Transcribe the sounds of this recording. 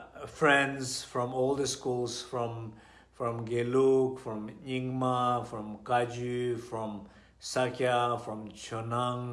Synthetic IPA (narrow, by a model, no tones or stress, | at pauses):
fɹɛ̃ndsfɹɔ̃mɔld̪əskulsfɹɔ̃m | fɹɔ̃mɡelukfɹɔ̃mĩŋmafɹɔ̃mkad͡ʒufɹɔ̃m | sakjafɹɔ̃mt͡ʃɔnãŋ